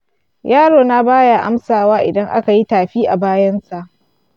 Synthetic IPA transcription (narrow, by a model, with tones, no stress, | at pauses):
jaː˦ɽoː˨na˦baː˦ja˨ʔa˦msaː˨waː˦ʔɪ̰˨dɐ˦ŋʔa̰˦ka˨ji˦taː˨ɸiː˦ʔa˨baː˦jɐ˦nsa˨ʔ